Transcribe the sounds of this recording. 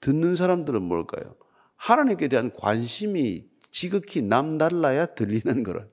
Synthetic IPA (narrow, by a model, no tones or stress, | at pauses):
tɯnːɯns̬ʰaɾamdɯɾɯnmʌ̰ɭk͈a̰jo̰ | hanaɲimk͈e̞teɦankwa̰nɕʰimi | t͡ɕiɡɯkʰinamdaɭːajatɯʎːinɯnɡʌ̰ɾʌ̰n